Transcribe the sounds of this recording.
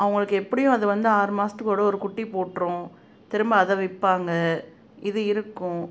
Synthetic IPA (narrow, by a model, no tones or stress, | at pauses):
ʔɐʋɐŋɡɐɭɯkːɯɛpːɐɽɪjʊ̃ɐðɯʋɐnd̪ɯaːɾmaːstɯkoːɽɐɔɾɯkʊʈːipoːʈːɾʊ̃ | t̪ɪɾɯmbɐːðɐʋɪpːaːŋɡɐ | ɪðɯɪɾɯkːʊ̃